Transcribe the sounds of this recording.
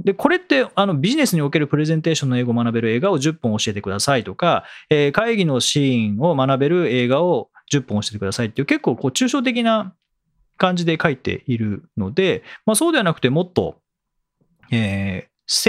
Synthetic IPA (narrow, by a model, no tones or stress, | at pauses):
d̪e̞ko̞ɾe̞t̪ːe̞ano̞bʲiʑine̞sɨɲ̟io̞ke̞ɾɯ̟pɯ̟ɾe̞zẽnt̪e̞ːɕõ̞nːo̞e̞ːɡoːmanabe̞ɾɯ̟e̞ːɡao̞ʑɨpːõoɕie̞t̪e̞kɯ̟d̪asait̪o̞kaeːkaiɡʲino̞ɕĩɴo̞manabe̞ɾɯ̟e̞ːɡao̞ | d͡ʑɨpːõoɕi̥et̪ekɯ̟d̪asait̪ːeiɯ̟ke̞kːo̞ːko̞ːt͡ɕɨːɕo̞ːt̪̬e̞k̬ʲina | kãɲ̟d͡ʑid̪e̞kait̪e̞̰ʔiɾɯ̟no̞d̪e̞maso̞ːd̪e̞βanakɯ̟t̪e̞mo̞t̪ːo̞̰ | eː | s